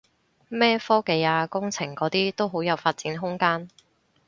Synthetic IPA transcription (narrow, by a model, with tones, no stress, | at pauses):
mɛː˥fɔː˥ke˧jaː˧kʊ˥ŋt͡sʰɪ˨˩ŋkɔː˨˥t̪iː˥t̪o˥wɦo˨˥wjɐ˨˧wfaː˧t̚t͡siː˨˥nɦʊ˥ŋkaː˥n